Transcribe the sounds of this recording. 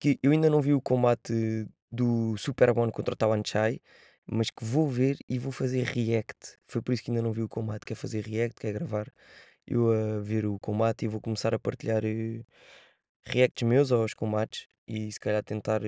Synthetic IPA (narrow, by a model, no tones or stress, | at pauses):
kɨʔewɐĩnd̪ɐnɐ̃w̃viukõmbat̪ | d̪usupɛɾwɔ̃nkõnt̪ɾɐt̪awɐ̃nt͡ʃaj | mɐʃkɨvoveɾivofɐzeɾʁiɛkt̪fojpɔɾisukɐĩnd̪ɐnɐ̃w̃viukõmbat̪kɛɾfɐzeɾʁiɛk̚t̪̚kɛɣɾɐvaɾ | ḛwɐveɾukõmbat̪ivokumsaɾɐpɐɾt̪iʎaɾɛ | ʁiɛk̚t̪ʒ̥mewzaʃkõmbat̪ʃ | isɨ̥kɐʎaɾt̪ẽnt̪aɾ